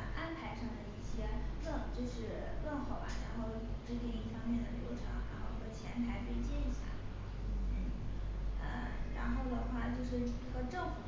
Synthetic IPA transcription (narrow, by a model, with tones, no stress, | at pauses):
ʔa˥npʰa˧˥ɪʈ͡ʂʰɤ˧˥ŋd̪ə˧i˥˩ɕjɛ˥lə˥˧ŋt͡ɕjo˥˧ʊʂɻ̩˥˧lə˥˧nxo˨˩ʊba̰˦ɻa˧˥nxo˥˧ʊ˨˩ʈ͡ʂɻ̩˥t̪i˥˩ŋi˥˩fɑ˥ŋmjɛ˥˩nd̪ə˩ljo˧˥ʈ͡ʂʰɑ̰˧˥ŋɻa̰˧˥nxo˥˩ʊxə˥˩t͡ɕʰjɛ˧˥nt̪ʰa˧˥ɪpe˥˧ɪt͡ɕjɛ˥˩ni˧˥ɕja̰˥˩˥ | ə̰˧ɻa̰˧˥nxo˥˩ʊwɔ˨˩d̪ə˨˦xwa˥˧t͡ɕjo˥˧ʊʂɻ̩˥˧i˥˩ɡə˧ʈ͡ʂɤ˥˩ŋfu˨˩